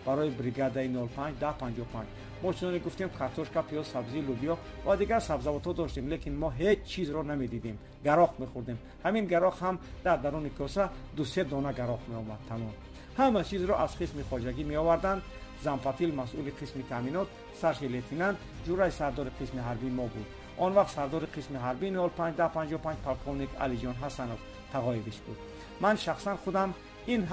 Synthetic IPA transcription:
b̥aɾɔjibɾiɡad̪ainɔlpʰand͡ʒd̪ahpʰand͡ʒɔpʰand͡ʒ | mɔt͡ʃʰinɔneɡuft̪emkʰaɾt̪ʰɔʃkapʰiɔzsabzilubiɔ | vad̪iɡaɾsabzavɔt̪hɔd̪ɔʃt̪emlekinmɔɦed͡ʒt͡ʃʰizɾɔname̞d̪id̪em | ɡaɾɔqmeχuɾd̪em | haminɡaɾɔqhamd̪̥aɾd̪aɾunikʰɔsad̪used̪ɔnaɡaɾɔqmeɔmad̪̚t̪ʰamɔn | hamat͡ʃʰizɾɔʔaz̥qʰismiχɔd͡ʒaɡimeɔvaɾd̪and̪ | zamfat̪ʰilmasuliqʰismit̪ʰaminɔt̪ | saɾʃilet̪ʰinand̪ | d͡ʒuɾaisaɾd̪ɔɾiqʰismiɦaɾbiːmɔbud̪ | ʔɔnvaq̚t̪saɾd̪ɔɾiqʰismiɦaɾbinhɔlpʰãnd͡ʒd̪aɾpʰãnd͡ʒɔpʰãnd͡ʒpʰalkʰovnikʰa̰lid͡ʒɔnɦasanof | t̪ʰaʁɔeviʃbud̪̚ | manʃaχsanχud̪am | inɦ

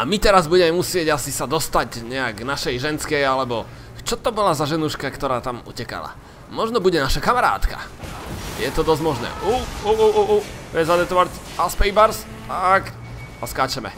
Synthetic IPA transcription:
amit̪ɛɾazbuɟɛmɛmusɪɛɟasisad̪ɔst̪aɟɲɛaɡnaʃɛjʒɛnskɛjalɛbɔ | t͡ʃɔt̪ɔbɔlazaʒɛnuʃkakt̪ɔɾaːt̪amṵcɛka̰la̰ | mɔʒnɔbuɟɛnaʃakamaɾa̰ːt̪ka̰ | jɛt̪ɔd̪ɔzɟmɔʒnɛ̰ːʔuuʔuʔuʔuɛzad̪ɛpt̪ɔʋac | aspɛjbaɾs | t̪ak | askaːt͡ʃɛmɛ̰

